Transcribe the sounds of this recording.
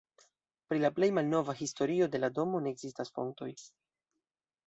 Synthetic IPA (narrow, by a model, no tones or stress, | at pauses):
pɾilaple̞jmalno̞vaɦisto̞ɾio̞de̞lado̞mo̞ne̞ːɡz̥istasfo̞̰ŋ̚to̞̰j